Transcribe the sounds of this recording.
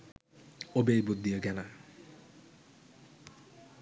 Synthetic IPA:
obejbud̪ʱːijoɡɛna

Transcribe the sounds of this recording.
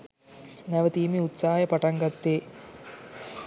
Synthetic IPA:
nɐʋət̪iːmiut̪saːjɐpɐʈaŋɡɐt̪ːeː

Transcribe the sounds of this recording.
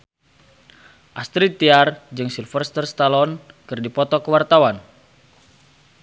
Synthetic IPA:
ʔast̪ɾit̪iard͡ʒɨŋsilfərst̪ərst̪alɔnkɨrdipɔt̪ɔkəwart̪awan

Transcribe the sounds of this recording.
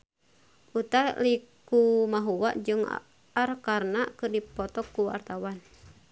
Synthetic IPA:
ʔut̪alikumaɦuwaʔd͡ʒɨŋ̰ | arkarnakɨrdipɔt̪ɔkːuwa̰rt̪awan

